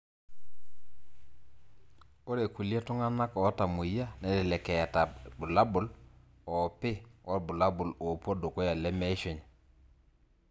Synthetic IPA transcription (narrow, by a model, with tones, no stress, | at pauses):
o˦ɾe˨ku˨la˦tu˦ŋa˦na˦kɔ˨˦ta˨mu˨ja˦nɛ˨˦dɪ˨lɛ˨kɛ˨ja˨ta˨bʊ˨la˦bʊ˨l | ɔ˨pɪ˦wɔ˦˨bʊ˨la˦bʊ˨lo˨po˦do˨ko˦ja˨lɛ˦me˦ʃo˨ɲ˨